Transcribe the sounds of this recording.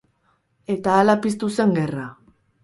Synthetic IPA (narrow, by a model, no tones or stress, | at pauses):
e̞t̪aːlapist̪use̞ŋɡe̞ra